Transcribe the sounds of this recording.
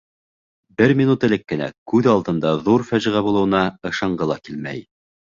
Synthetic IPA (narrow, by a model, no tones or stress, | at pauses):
bɘɾmʲinut̪ɘ̆lɘkːɘ̆næ̰kʉðɑlˠt̪ɤ̆nd̪ɑðuɾfæʑĭʁæbulˠɤ̆wɤ̆nɑɤ̆ʃɑɴɢɤlˠɑkilmæ̰j